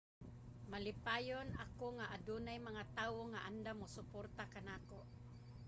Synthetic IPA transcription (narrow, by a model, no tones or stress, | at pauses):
malɪpajonakoŋaʔadunajmaŋat̪aːwoŋaʔand̪amʊsʊport̪akanakoʔ